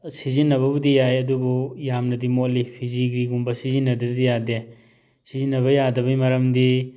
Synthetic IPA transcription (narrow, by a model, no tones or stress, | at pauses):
sizinːɐβɐbudijajɐdubujamnɐdimolipʰizikɾiɡumbɐsizinːɐdiɾd̪ijade | sizinːɐβɐjadɐbɐjmɐɾɐmdi